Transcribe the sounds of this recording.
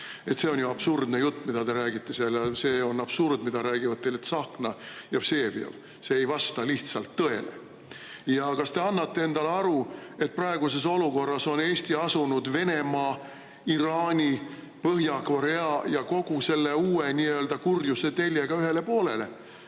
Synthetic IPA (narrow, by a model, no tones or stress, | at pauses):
e̞t̪se̞o̞njuɑb̥surd̪nejut̪ˑːmid̪̥ɑt̪e̞ɾæːɡ̥it̪ːe̞seljɑse̞ːo̞nɑb̥surd̪mid̪ɑɾæːɡ̥ivɑd̪t̪ːejlet̪sɑknɑjɑv̥se̞ːvjɑ̰v̥ | seːjvɑst̪ɑliht̪sɑlt̪ːɤe̞̰lḛ | jɑkɑst̪e̞ɑnːɑt̪ːe̞e̞nd̪̥ɑleɑɾue̞t̪̚prɑeɡ̥us̬e̞so̞luko̞rːɑso̞ne̞ːst̪iɑsunud̪ve̞ne̞mɑː | iɾɑːnʲi | pɤɦjɑkvɑɾe̞ɑjɑko̞ɡ̥use̞lːeuːeniøld̪ɑkurjuse̞t̪e̞lʲjeɡ̥ɑyɦe̞le̞po̞ːle̞le̞